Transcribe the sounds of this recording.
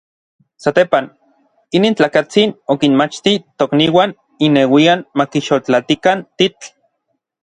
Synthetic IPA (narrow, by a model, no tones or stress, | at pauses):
sat̪eːpan | iniːnt͡ɬaːkat͡sinokinmat͡ʃt̪it̪okniːwan | inewianmakiʃolt͡ɬat̪ikant̪it͡ɬ